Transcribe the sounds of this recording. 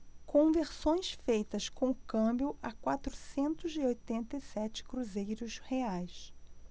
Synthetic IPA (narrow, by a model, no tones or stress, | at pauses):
kʰõveɾsõj̃sfejt̪ɐskõw̃ʊkɐ̃mbjʊʔakwat̪ɾʊsẽnt̪ʊzɪojt̪ẽnt̪ɐjsɛt͡ʃɪ̥kɾuzejɾʊsheajs